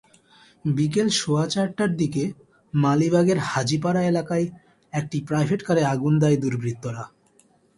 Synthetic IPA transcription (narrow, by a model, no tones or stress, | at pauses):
bik̬elʃoat͡ɕaɾʈːaɾd̪ike | malibʱaɡeɾhad͡ʑip̬aɾaelakaj | ek̚ʈipɾajbʱeʈkaɾeaɡund̪ajd̪uɾbɾit̪ːoɾa